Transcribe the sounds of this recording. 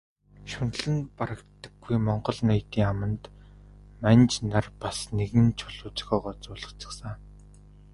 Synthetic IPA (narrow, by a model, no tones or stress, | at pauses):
ʃʊn̆ɮɘ̆npaɾə̆k̚t̪ə̆ɡ̥ːujmɔɴɢɞ̆ɮnajt̪iːŋamə̆nt̪ | manʲt͡ɕnarpasneɣɘ̆nt͡ɕʰʊɮʊːt͡ɕxɔːʁɔːt͡sʊːɮə̆χt͡ɕɪ̥̆ksə̆ŋ